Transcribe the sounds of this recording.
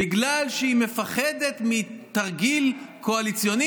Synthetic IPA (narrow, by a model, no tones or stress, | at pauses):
iɡlalʃeime̞faχed̪e̞t̪mit̪aʁɡilkʰo̞alit͡sjo̞ni